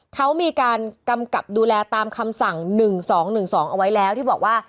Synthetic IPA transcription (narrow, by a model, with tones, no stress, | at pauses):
kʰa˦˥wmiː˧kaː˧nka˧mka˨˩p̚duː˧lɛː˧t̪aː˧mkʰa˧msa˨˩ŋnɯ˨˩ŋsɔː˩˦ŋnɯ˨˩ŋsɔː˩˦ŋʔa˧wa˦˥jlɛː˦˥wt̪ʰiː˥˩bɔː˨˩k̚waː˥˩